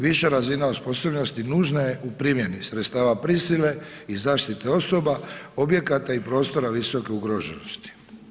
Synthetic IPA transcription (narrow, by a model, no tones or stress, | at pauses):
ʋiʃeɾazinausposobnost̪inuːʒnajeupɾimjenisɾet̪st̪aːʋapɾisile̞izaːʃt̪it̪eo̞so̞bao̞bje̞kat̪aipɾo̞ːst̪o̞ɾaʋiso̞ke̞uɡɾoʒenost̪i̥